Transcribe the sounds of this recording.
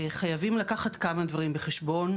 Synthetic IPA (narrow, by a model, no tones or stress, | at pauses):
χajavimlakaχat̪kamad̪vaʁimbeχeʃbo̞n